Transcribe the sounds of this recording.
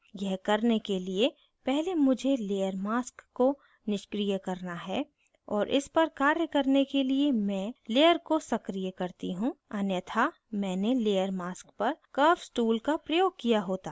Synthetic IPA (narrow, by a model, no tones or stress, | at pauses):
jɛɦkɐɾnekelie | pɛɦlemʊd͡ʒʱeleːjəɾmaːskːo | nɪʃkɾijəkɐɾnaɦɛ | ɔːɾʔɪ̰spɐɾkaːɾjəkɐɾnekeliemɛ̃ːleːjəɾkosɐkɾijəkɐɾt̪iɦũɐnjət̪ʰa | mɛ̃ːneleːjəɾmaːskpɐɾkəːfsʈuːlkapɾɐjoːɡ̚kijaɦoːt̪aː